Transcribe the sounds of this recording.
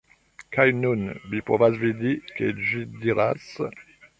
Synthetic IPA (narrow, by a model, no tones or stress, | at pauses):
kʰajnunvipovasvid̪iked͡ʒid̪iɾas